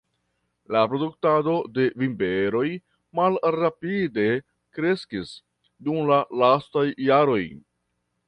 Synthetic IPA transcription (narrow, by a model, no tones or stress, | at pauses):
lapɾo̞duk̚tado̞de̞vimbeɾo̞j | malɾapide̞ | kɾe̞skis | dumlalastajːaɾo̞j